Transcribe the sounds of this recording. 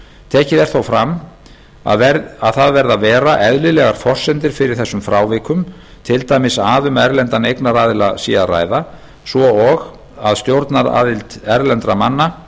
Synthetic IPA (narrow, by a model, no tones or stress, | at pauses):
t̪ʰɛːhcɪðɛɾ̥θowfɾam | a̰ɛaðθaðvɛɾðavɛːɾaʔɛðlɪlɛɣaɾ̥fɔr̥sɛnt̪ɪɾ̥fɪɾɪɾ̥θɛsːʏmfɾaːwvɪːkʏm | t̪ʰɪlt̪ajmɪsaːðʏmɛɾlɛnt̪anejknaɾaːðɪlasiːara̰ːjða | svɔɔɣ | aðst̪jowɾt̪naɾa̰ːðɪlt̪ɛɾlɛnt̪ɾamanːa